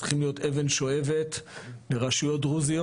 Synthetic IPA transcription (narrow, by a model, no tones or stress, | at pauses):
i̥χimlijo̞te̞ve̞nʃo̞e̞ve̞tleʁaʃujo̞tʁuzio